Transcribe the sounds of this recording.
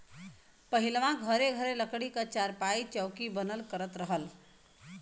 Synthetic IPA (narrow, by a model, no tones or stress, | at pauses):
pəɦilʋãɡʱəɾeɡʱəɾeləkɽikət͡ʃaɾpait͡ʃəwkibənəlkəɾət̪ɾəɦəl